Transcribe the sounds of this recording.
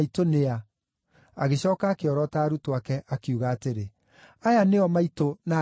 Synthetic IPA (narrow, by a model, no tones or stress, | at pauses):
itonea | a̰ɣeɕɔːkaːkeɔɾɔtaːɾutoakɛʔakeuɣaːteɾe | ajaneɔmaitona